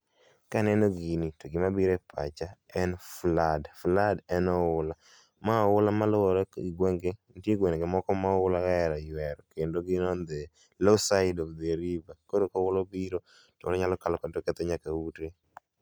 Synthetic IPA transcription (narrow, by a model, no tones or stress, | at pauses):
kanɛnoɡinitoɡɪmabiɾepʰa̰t͡ʃaɛnfladfladɛnɔʊla | maɔʊlamalɔwɔɾɔiɡwɛŋɡentjeɡwɛnɡemɔkɔmaʊlakaɛɾajwɛɾɔkendoɡɪnɔnd̪ɛ | losaɪdɔvd̪ɛɾivakodokɔwʊlɔbiɾo | tolɔɲalɔkalɔkatɔkɛt̪ɛɲakawute